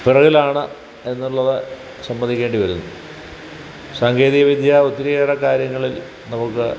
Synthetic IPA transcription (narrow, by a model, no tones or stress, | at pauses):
pirɐɣilaːɳɨ | e̞nːuɭːɐðɨ | sɐmbɐnd̪ikʲːe̞ːɳɖiʋɐɾunːu | saːŋɡeːðijɐʋid̪ʱjaut̪ːiɾijeːrɐkaːɾjɐŋːɐɭil | nɐmɐkːɨ̰